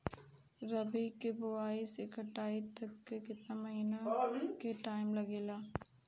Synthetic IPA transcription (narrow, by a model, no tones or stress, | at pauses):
ɾɐbikebʊʋaːisekɐʈaːit̪ɐkːekɪt̪namɐɦiːnakeʈaːɪmlɐɡeːlaː